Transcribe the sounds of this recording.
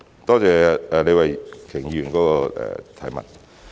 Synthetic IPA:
t̪ɔː˥t͡sɛː˨˩ɛː˨le˨˧jwɐ˨jkʰɪ˨˩ŋjyː˨˩nkɔː˨˥kɔː˧ʔɛ̰ː˨˩t̪ʰɐ˨˥jmɐ̰˨˩t̚

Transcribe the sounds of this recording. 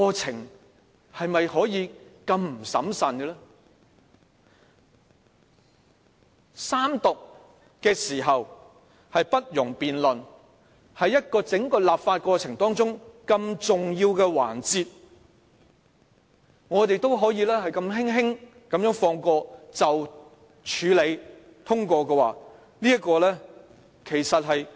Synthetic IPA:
kɔː˧t͡sʰɪ˨˩ŋ | hɐ˨jmɐ˨jhɔː˨˥jiː˨˧kɐ˧mm̩˨˩sɐ̰˨˥msɐ˨nɡɛ˧lɛ˥ | saː˥mt̪ʊ˨k̚ | kɛː˧siː˨˩ɦɐ˨w | hɐ˨jpɐ˥t̚jʊ˨˩ŋpiː˨nlɵ˨n | hɐ˨˥jːɐ˥t̚kɔː˧t͡sɪ˨˥ŋkɔː˧laː˨pfaː˧t̚kɔː˧t͡sʰɪ˨˩ŋt̪ɔː˥ŋt͡sʊ˥ŋkɐ˧mt͡sʊ˨ŋjiː˧wkɛː˧wa̰ː˨˩nt͡siː˧t̚ | ŋɔː˨˧t̪e˨jt̪o˥wɦɔː˨˥jiː˨˧lɛː˥hɐ˨jkɐ˧mɦɪ˥ŋɦɪ˥ŋ | kɐ˨mjœː˨˥ŋfɔː˧ŋkɔː˧t͡sɐ˨w | t͡ʃʰyː˨˧le˨˧j | t̪ʰʊ˥ŋkʷɔː˧kɛ˧wa̰ː˨ | niː˥ɐ˥kɔː˧lɛː˥ | kʰe˨˩jsɐ˨t̚hɐ˨j

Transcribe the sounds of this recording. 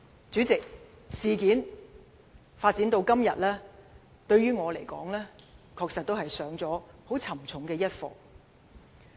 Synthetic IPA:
t͡syː˨˥t͡sɪ˨k̚ | siː˨kiː˨˥n | faː˧t̚t͡si˨˥nt̪o˧wkɐ˥mjɐ̰˨t̚lɛː˥ | t̪ɵ˧ɥɥyː˥ŋɔː˨˧le˨˩jkɔ̰ː˨˥ŋlɛː˥kʰɔː˧k̚sɐ˨t̚t̪o˥whɐ˨jsœː˨˥ŋt͡sɔː˨˥ho˨˥wt͡sʰɐ˨˩mt͡sʰʊ˨˥ŋkɛː˧jɐ˥t̚fɔ̰ː˨˩

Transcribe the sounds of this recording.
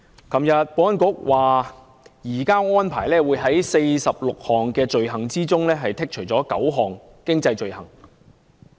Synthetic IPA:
kɐ˨mjɐ˨t̚poː˧˥ɐ˥nkʊ˨˥k̚wʔaː˨ | jiː˨˩kaː˥ŋɔː˥npʰa̰ː˨˩jlɛː˥wuː˨˧jɦɐ˨˥jse˧jsɐ˨p̚lʊ˨k̚hɔː˨ŋkɛː˧t͡ʃɵ˨ɥɦɐ˨˩ŋt͡siː˥t͡sʊ˥ŋlɛː˥ɦɐ˨jt̪ʰɪ˥k̚t͡ʃʰɵ˨˩t͡sɔː˨˥kɐ˨˥wɦɔː˨˩ŋ | kɪ˥ŋt͡sɐ˧jt͡ʃɵ˨ɥhɐ˨˩ŋ

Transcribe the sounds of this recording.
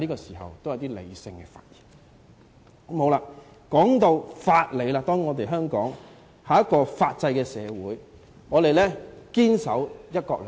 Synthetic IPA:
liː˥kɔː˧siː˨˩hɐ̰˨wt̪o˥wjɐ˨˧wt̪iː˥lḛ˨˧jsɪ˧ŋkɛː˧fa̰ː˧t̚jiː˨˩n | ko˨˦mho˨˧wlaː˧ | kɔː˨˥ŋt̪o˧wfaː˧t̚le˨˧jlaː˧t̪ɔː˥ŋːɔː˨˧t̪̬e˨ɦœː˥ŋkɔː˨˥ŋ | haː˨˧˦jɐ˥t̚kɔː˧faː˧t̚t͡sɐ˧jkɛː˧sɛː˨˧wuː˨˥j | ŋɔː˨˧t̪e˨jlɛː˥kiː˥nsɐ˨˥wjɐ˥t̚kɔː˧k̚l

